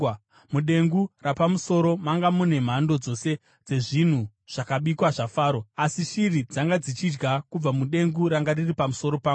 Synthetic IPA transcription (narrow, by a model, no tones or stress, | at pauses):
muɗe̞ŋɡurapamuso̞ɾo̞maŋɡamune̞m̤ando̞d͡zo̞se̞ | d͡ze̞ʐin̤u | ʐ̥akaɓikwaʐafaːɾo̞asiʃirid͡zaŋɡad͡zit͡ʃid͡ʒɡakub͡vamuɗe̞ŋɡuɾaŋɡariripamuso̞ɾo̞paːu